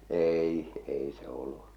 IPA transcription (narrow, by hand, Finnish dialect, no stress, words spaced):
eːi ei se olːu